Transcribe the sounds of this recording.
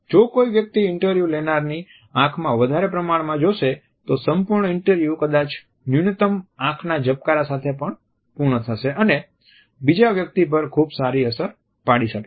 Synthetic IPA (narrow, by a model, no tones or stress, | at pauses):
d͡ʒokoiʋjək̚t̪iɪɳʈəɾʋjulenaɾni | ãkʰmãʋəd̪ʱaɾepɾəmaɳmãd͡ʒoʃe | t̪osəmpuɾɳəɪɳʈəɾʋjukəd̪at͡ʃ | njunit̪əmãkʰnad͡ʒəp̚kaɾasat̪ʰepəɳ | puɾɳət̪ʰəʃeʔəne | bid͡ʒaʋjək̚t̪ip̬əɾkʰubsaɾiəsəɾ | paɽiʃəke